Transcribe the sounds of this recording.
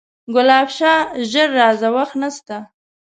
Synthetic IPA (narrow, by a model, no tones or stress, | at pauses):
ɡʊlɑbʃɑʒəɾːɑzawaxt̪nast̪a